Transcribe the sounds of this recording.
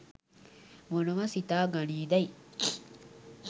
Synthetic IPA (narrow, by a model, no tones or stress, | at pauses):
monoɡasit̪aːɡaniːd̪ai